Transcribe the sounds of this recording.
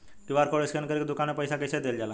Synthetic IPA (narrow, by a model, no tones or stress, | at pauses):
kiʋaɾkɔɭeskʰənkəɾik̚d̪ukanapəjsakəjsad̪eld͡ʑala